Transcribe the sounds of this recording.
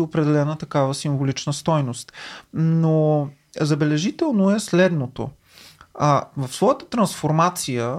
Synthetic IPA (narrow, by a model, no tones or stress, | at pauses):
iopɾɛd̪ɛlɛnət̪ɐkavəsiɱvolit͡ʃnəst̪ɔjnost̪no | zɐbɛlɛʒit̪ɛlˠnoɛslɛd̪not̪o̰ | avəfsvɔjət̪ə̥t̪ɾɐnsfoɾmat̪sijə